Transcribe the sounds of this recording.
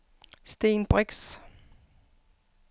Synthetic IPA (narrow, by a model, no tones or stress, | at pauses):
sd̥enb̥ʁɛɡ̥s